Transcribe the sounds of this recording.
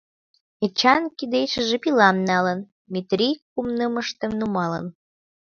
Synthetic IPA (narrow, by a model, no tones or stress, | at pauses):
et͡ɕɑnkid̪ejʃəʒĕpilɑmnɑlən | mʲit̪rʲikumnəməʃt̪əmnumɑlə̰n